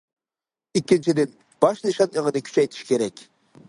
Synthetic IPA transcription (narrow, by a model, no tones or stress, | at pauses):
ikʲːint͡ʃʰid̪ɪn | b̥ɑʃnɨʃɑneʁəd̪ɪkʲʰy̥t͡ʃʰɛjt̪ʰi̥ʃkʲʰeɾɛkʲ